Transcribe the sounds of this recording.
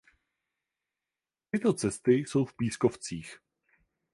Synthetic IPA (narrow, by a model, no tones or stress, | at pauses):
t̪ɪt̪o̞t͡sɛst̪ɪso̞wfpiːsko̞ft͡siːx